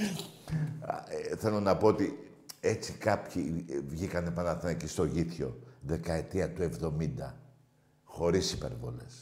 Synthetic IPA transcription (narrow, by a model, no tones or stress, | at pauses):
θe̞lo̞nɐpo̞ot̪i | e̞t͡sikɐpçivʝikɐnepɐnɐθenɐcist̪o̞ʝiθço̞ðe̞kɐe̞t̪iɐt̪ue̞vðo̞mind̪ɐ | xo̞ɾisipe̞̰ɾvo̞le̞̰s